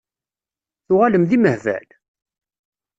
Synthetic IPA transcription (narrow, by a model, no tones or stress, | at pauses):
θʊʁaləmðiməhvæ̰l